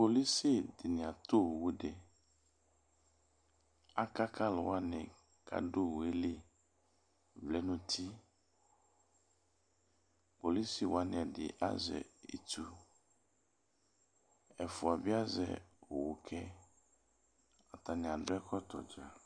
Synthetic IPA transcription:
po˨li˦si˦˨dɪ˨nɪ̃˨a˨t̪o˦˨wu˦ɖe˨ | a˦ka˦kʰa˦lʊ˨wa˦nɪ̃˨ | kʰa̰˦ɖo˦wo˨e˦li˦ | vlɛ˦nũ˦t̪ʰi˦ | po˨li˦si˦˨wo˨a˦nɪ̃˨a˨ɖɪ̰˨ʔa̰˦zɛ̰˨ḛ˨t̪u˦ | ɛ˨fu˨a˨bi˦a˦zɛ̰˨o˨wo˨kʰɛ˦ | a˨t̪a˨nɪ̃˨a˨ɖo˦ɛ˦kʰɔ˦t̪ɔ̰˨d͡ʒa˨

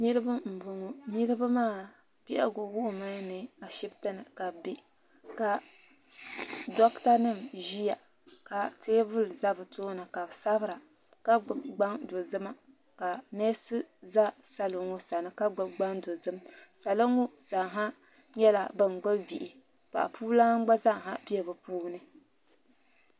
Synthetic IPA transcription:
ni˦ɾɨ˦ba˦m̩˨bʊ˨ŋo˦ni˦ɾɨ˦ba˦maː˦˨ | pi˦ʔa̰˦ɡo˨wu˦ʔma˦nɨ˨a˨ʃi˦btɨ˦nɨ˨ka˨bi˦ | ka˨ | dɔ˦kta˦nɨ˦˨mʒi˦ja˨ | ka˨teː˦vʊ˦lza˦bɨ˨toː˦nɨ˨ka˨bsa˦bɨ˦ɾa˨ | ka˦ɡ͡bɨ˨bɡ͡ba˦ŋdo˨zɨ˦ma˦ | ka˨neː˦sɨ˦za˦sa˨lɨ˨ŋo˦sa˨nɨ˦ka˦ɡ͡bɨ˦bɡ͡ba˦ŋdo˨zɨ˦msa˨lɨ˦ŋo˦za˨ɦa˦ | ɲɛ˦la˦bɨ˦n˨ɡ͡bɨ˦vi˨ʔi˨ | pa̰˨ʔa̰˨pʰuː˦la˦ŋ˦ɡ͡ba˦za˦˨ɦa˦bi˦ɛ˨bɨ˨puː˦nɨ˦

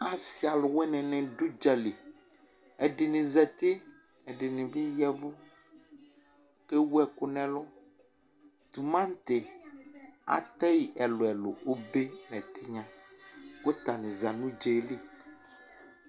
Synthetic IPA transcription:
a˨si˦a˨lʊ˨wɛ˦nɛ̃˨nɛ̃˨ɖu˦d͡ʒɛ˨le˨ | ɛ˨ɖe˨nẽ˨zɛ˨t̪e˦ | ɛ˨ɖe˨nĩ˨vi˦jɛ˦vo˦ | ke˦wu˦ɛ˨kʊ˨nɛ̃˨lo˦ | t̪u˨mã˦n˦t̪e˨ | a̰˨t̪ɛ˦ji˨ʔɛ˨lo˨ɛ˨lo̰˨wo˦be˦nɛ̃˨t̪ʰi˦ɲã˦wo˦t̪a˨nẽ˨za˨nũ˦d͡ʒe˨˦li˦

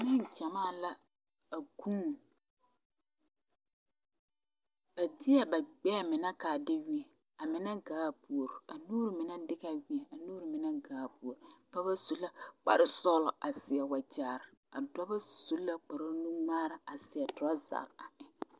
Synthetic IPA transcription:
nɪ˦nd͡ʒa˨maː˦˨la˦ | a˨ɡu˦n˨ | b̥a˨dɪ˦ɛ˨ba˨ɡ͡bɛ˦˨mɪ˨na˦kaː˨dɪ˦wi˦ɛ˨ | a˨mɪ˨na˦ɡaː˨˦˨pu˨o˨ɾʊ˨a˨nuː˦ɾɪ˨mɪ˨na˦dɪ˦ɣa˦˨wi˦ɛ˨a˨nuː˦ɾɪ˨mɪ˨na˦ɡaː˨˦˨pu˨o˨ɾʊ˨pa˦ba˦su˦lːa˦k͡pa̰˨ɾɪ˦sɔː˦lɔ˨a˨sɪ˨ɛ˨wa˨d͡ʒaː˨ɾɪ˨a̰˨dɔ˦ba˦su˦lːa˦k͡pa˨ɾo˦nu˦ŋ͡maː˦ɾa˨a˨sɪ˨ɛ˨tʊ˨ɾa˦za̰˨ɾa˨ʔɪ˨

